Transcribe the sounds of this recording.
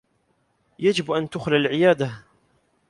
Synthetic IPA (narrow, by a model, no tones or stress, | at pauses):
jad͡ʒɪbʔant̪ʊxlalʕɪjaːd̪a